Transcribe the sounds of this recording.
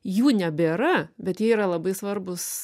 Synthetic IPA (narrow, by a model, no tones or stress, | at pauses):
juːnʲɛbʲeɾɐbʲɛt̪jiːiɾɐlˠɐbɐɪsʋɐrbʊs